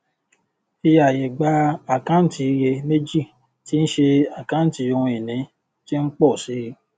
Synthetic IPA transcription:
i˧ja˨jɛ˨ɡ͡ba˦a˦˨kã˦n̩˦ti˧je˧me˦d͡ʒi˦˨ | ti˦n̩˦ʃe˧a˦˨kã˨˦n̩˦ti˨˧˦o˧ũ˧e˨nĩ˨˦ | ti˦n̩˦k͡pɔ˦˨si˨˦˧

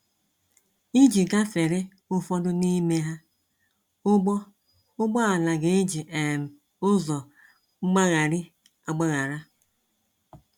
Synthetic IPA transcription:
i˦d͡ʒi˨ɡa˦fe˨ɾɪ˦ | ʊ˦fɔ˦dʊ˦ni˦me˦ɦa˦ | ʊ˦ɡ͡bɔ˦ | ʊ˦ɡ͡bɔ˦a˨na˨ɡe˨˦d͡ʒi˨ʔe˨m̩˨ | ʊ˦zɔ˨ | ŋ͡m̩˦ɡ͡ba˦ɣa˨ɾi˦ | a˨ɡ͡ba˦ɣa˨ɾa˦

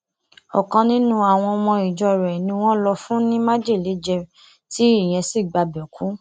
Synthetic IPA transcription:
ɔ̰˨kã˧nĩ˦nũ˦a˨w̃ɔ̃˧mɔ̃˧i˨d͡ʒɔ˧ɾɛ˨nĩ˧w̃ɔ̃˦lɔ˧fũ˦nĩ˦ma˦d͡ʒe˦˨le˨˦d͡ʒɛ˧ | ti˦i˦˨j̃ɛ̃˧si˦˨ɡ͡ba˧bɛ˨kũ˨˦

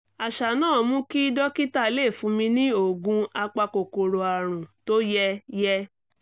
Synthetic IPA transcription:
a˨ʃa˨nãː˦˨mũ˦ki˦dɔ˦ki˦ta˦˨˦le˦˨fũ˨˦mĩ˧nĩ˦o˦˨ɡũ˧a˧k͡pa˧ko˨ko˨ɾo˧a˨ɾ̃ũ˨to˦jɛ˦jɛ˦

